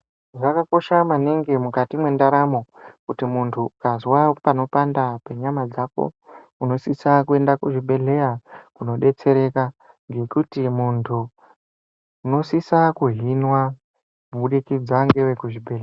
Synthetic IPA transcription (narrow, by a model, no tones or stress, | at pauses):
ʐakako̞ʃamaneŋɡemukatimwe̞ndaɾamo̞kutimuntʰukazwapano̞pandape̞ɲamad͡zako̞̰ | uno̞sisakue̞ndakuʐibʱe̞ɮe̞jakuno̞ɗe̞t͡se̞ɾe̞ka | ŋɡe̞kutimuntʰu | no̞sisakuɦinwa | muɓuɗikid͡zaŋɡewe̞kuʐibʱe̞lea